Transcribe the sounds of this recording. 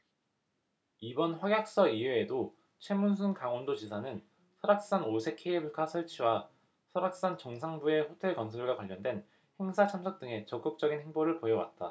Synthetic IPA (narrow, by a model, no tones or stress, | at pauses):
ibʌnɸwaɡjak̚s͈ʌieːdo | t͡ɕʰwe̞muns̬ʰunkaŋʌndod͡ʑisʰanɯn | sʰʌɾak̚s͈anosʰe̞kʰːeibɯɭkʰasʰʌɭt͡ɕʰiwa | sʰʌɾak̚s͈ant͡ɕʌŋsʰaŋbue̞ɸotʰe̞ɭkʌnsʰʌɭɡwakwaʎːʌndwe̞n | he̞ŋsʰat͡ɕʰamsʰʌk̚t͈ɯŋe̞t͡ɕʌk͈ɯk̚t͡ɕ͈ʌɡinhe̞ŋboɾɯɭpojʌwa̰t̚t͈a